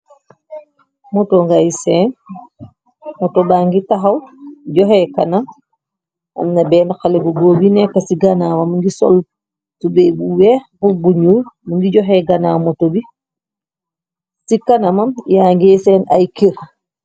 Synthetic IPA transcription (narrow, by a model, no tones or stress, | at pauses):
mɔtɔŋɡajsɛn | mɔtɔbaŋɡitaɦawd͡ʒɔɦɛkanam | ʔa̰mnabɛnakalɛbɔɡobinɛkasiɡanaːwamunɡisɔ̰l | tubɛbuwɛbubuɲuɾmuŋɡid͡ʒɔɦɛɡanamɔtobi | sikanamamjaŋɡɛsɛnʔa̰jkiɾ